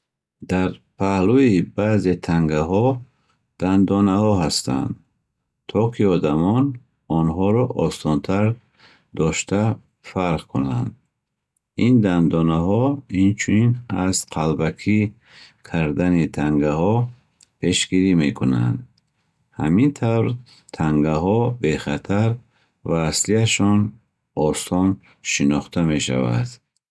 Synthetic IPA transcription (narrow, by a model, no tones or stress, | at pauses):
d̪aɾpʰahluibaze̞t̪ʰaŋɡaɦɔ | d̪̥and̪ɔnahɔɦast̪ʰa̰nd̪ | t̪ʰɔkʰiɔd̪amɔn | ɔnɦɔɾɔʔɔsɔnt̪ʰaɾ | d̪ɔʃt̪ʰa | faɾʁkʰuna̰nd̪̚ | ind̪and̪ɔnaɦɔint͡ʃʰuninazqʰalbakʰi | kʰaɾd̪anit̪ʰaŋɡahɔ | pʰe̞ʃɡiɾime̞kʰuna̰nd̪ | hamint̪ʰavɾ | t̪ʰaŋɡaɦɔbe̞χat̪ʰaɾ | vaːsliaʃɔn | ɔst̪ɔn | ʃinɔχt̪ʰame̞ʃa̰va̰d̪̥